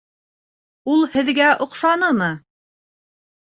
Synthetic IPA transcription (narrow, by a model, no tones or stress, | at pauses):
ulˠhɘ̆ðɡæʔŏqʃɑnɤmɤ